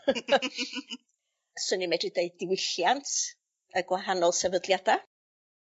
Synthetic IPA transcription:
sənimɛdrɪdejdɪwɪɬjantʰ | əɡwaɦanɔlˠsɛvədljada

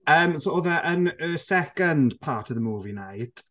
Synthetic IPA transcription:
əːmsooːðəʔənəsɛkəndpʰaːtʰəvðəmuːvinajt

